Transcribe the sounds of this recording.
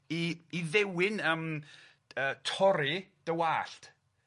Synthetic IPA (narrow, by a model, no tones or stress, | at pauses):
iːðɛwɪnəm | əːtʰɔɾid̥əwaːɬt